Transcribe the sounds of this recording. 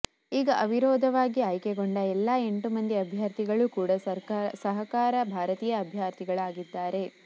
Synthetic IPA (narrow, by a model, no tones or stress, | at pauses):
iːɡɐʔɐʋiɾoːd̪ʱɐʋaːɡiaːjkeɡoɳɖɐɛlːae̞ɳʈumɐnd̪iɐbʱjaːɾt̪iɡɐɭukuːɽɐssɐɦɐkaːɾɐbʱaːɾɐt̪iːjɐːbʱjaːɾt̪iɡɐɭaːɡid̪ːaːɾe̞